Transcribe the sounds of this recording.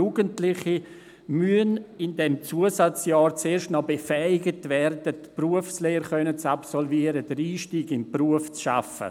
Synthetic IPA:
uːɡəntlɪχi | myənɪndɛmt͡suəsat͡sjaːɾt͡seːɾʃtnɔbefɛɪɡətvɛrdətpruəfsleːəɾχœnət͡sapsɔlviəɾədəɾiːʃtiːɡɪmpruəft͡sʃa̰fə̰

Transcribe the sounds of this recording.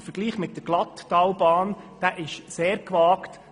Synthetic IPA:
fəɾɡ̥liːχmɪt̚ːdəɡ̥lɑtːɑlbɑːnd̥æːʔɪʃseːɾkʋɑːkt

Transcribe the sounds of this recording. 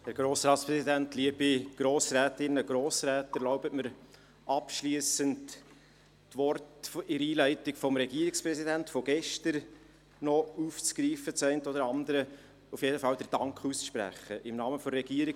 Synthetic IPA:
hæɾɡ̥ɾoːsɾɑːtspɾɛsidæntliəbiɡ̥ɾoːsræːtɪnːəɡ̥ɾoːsɾɛːtəlɔʊbətməɾ | ʔɑpʃliəsəntː | ʋɔrtfɪɾiːlæɪtɪkfɔmɾɛɡiːɾɪkspɾɛsidæntfɔɡ̥ɛʃtəɾ | nɔuːft͡sɡ̥ɾiːfət͡sɛɪntod̪əɾɑndəɾə | ufjeːdəfɑldɛɾd̥ɑŋkχusʃpɾæ̰χəʔɪmnɑːməfɔrɛɡiːəɾɪ

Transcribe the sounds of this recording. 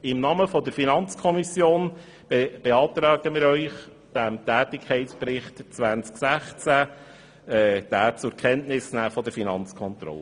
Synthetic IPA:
ɪmnɑːməfɔdəɾfinɑnt͡skʰɔmisjoːn | b̥eb̥eɑːt̪ɾɑːɡ̥əmɪːɾœʏχ | d̥æmtæːtɪkʰɛɪtspɾɪχtt͡sʋænt͡sksæχt͡sæ | ɛːd̥æːt͡sʊɾkʰɛntnɪsnæːfɔd̪əɾfinɑnt͡skʰɔnt̪ɾɔ̰lə

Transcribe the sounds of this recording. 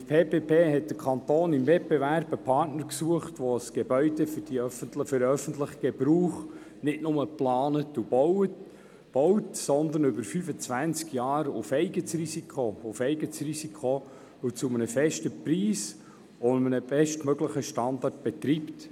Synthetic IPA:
əpʰeːpeːpʰeːɦɛt̚d̪̥əɾkʰɑnt̪oːnimvɛt̚b̥ɛvæɾb̥əpʰɑɾtnəɾksuəχtʋosɡ̥ebœʏdɛfʏd̥iœfəntləfʏɾœfəntləχəɡ̥ɛbɾuːχ | nɪtnʊməplɑːnətub̥ɔwət | b̥ɔwtsɔnd̪ənʏbəɾfyfət͡sʋænt͡skjɑːɾufɛɪɡət͡srisikχoʊfɛɪɡət͡srisikʰχo | ut͡sumənəfɛʃtəpɾiːs | omənəbɛʃtmøɡləχəʃtɑndɑrt̚b̥ɛt̪ɾiːpt

